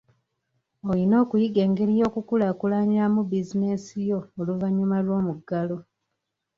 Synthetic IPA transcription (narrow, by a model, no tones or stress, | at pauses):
olino̞ːkujiɡe̞ːŋɡe̞ɾijo̞ːkukulaːkulaɲiɾamubizine̞sijo̞ːluvaɲːumalwo̞ːmuɡalo̞